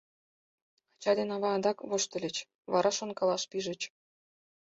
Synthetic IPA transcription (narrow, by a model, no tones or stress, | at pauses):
t͡ɕɑd̪ʲenɑβɑɑnd̪ɑkβoʃt̪ə̆lʲɘ̆t͡ɕ | βɑɾɑʃonkɑlˠɑʃpiʒə̆t͡ɕ